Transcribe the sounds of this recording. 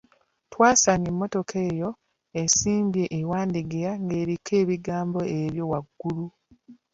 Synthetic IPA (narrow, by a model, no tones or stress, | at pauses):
twaːsaɲemːo̞to̞kʰe̞ːjo | esiːmbje̞ʔːwaːndiɡiɾaŋɡe̞ːɾikʰe̞ːβiɡaːmbo̞eɾjo̞waɡːulu